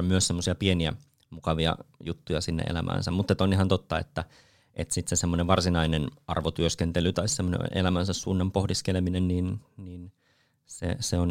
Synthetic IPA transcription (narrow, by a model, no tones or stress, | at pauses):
myøssemːosiɑpieniæ̰ | mukɑʋiɑ̰jut̪ːujɑsinːḛʔḛlæ̰mʔæ̰ːnsæmmut̪ːet̪oniɦhɑnt̪ot̪ːɑḛt̪ːæ | ʔet̪sit̪sesemːoneʋʋɑrsinɑinenɑ̰rʋot̪yøskent̪elyt̪ɑissemːonḛʔelæmænsæssuːnːɑmpohdiskeleminenniːnniːn | sḛseon